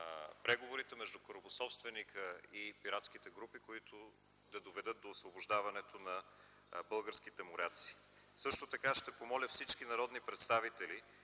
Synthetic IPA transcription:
pɾɛɡovoɾit̪ɛmɛʒd̪ukoɾobosɔpst̪vɛnikəipiɾat̪skit̪ɛɡɾupikoit̪ʊ | d̪ɐd̪ovɛd̪ɤt̪̚d̪oːsvoboʒd̪avɐnɛt̪onɐ | bɤlˠɡəɾskit̪ɛmʊɾat̪si̥ː | sɤʃt̪ot̪ɐkaʃt̪ɛpomɔlʲəfsit͡ʃkinɐɾɔd̪nipɾɛt̪st̪avit̪ɛli

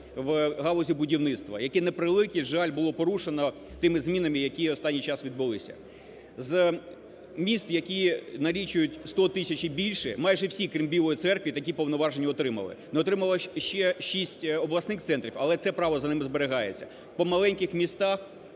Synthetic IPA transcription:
ʋɦɑlˠɔzʲibʊdʲiwnɪt̪st̪ʋɐ̰jɐkɛnepɾɪlˠɪkʲiʒalʲbʊlˠɔpɔɾuʃenɔ | t̪ɪmɪzmʲin̪ɐmɪjɐkʲiɔst̪ɑnʲːijt͡ʃɑsʋʲid̪̚bɪlˠɪsʲɐ̰ | z | mʲist̪jɐkʲinɐlʲit͡ʃʊjʊtʲst̪ɔt̪ɪsʲɐt͡ʃibʲilʲʃɛmɑjʒɛwsʲikɾʲimbʲilˠɔjit̪sɛrkʋʲit̪ɐkʲipɔwnɔʋɑʒenʲːiɔt̪ɾɪmɐ̰lˠɪ̰nɔt̪ɾɪmɐlˠɔʃt͡ʃɛʃisʲtʲɔblˠɐsnɪxt̪sɛnt̪ɾʲiwɐlˠɛt̪sɛpɾɑʋɔzɐnɪmɪzbeɾeɦɑjet͡sʲːɐ | pɔmɐlˠɛnʲkɪxmʲist̪ɑx

